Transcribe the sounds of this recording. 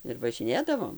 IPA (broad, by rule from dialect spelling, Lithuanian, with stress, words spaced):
ɪr ʋɐʒʲɪˈnʲeːdɐʋoːm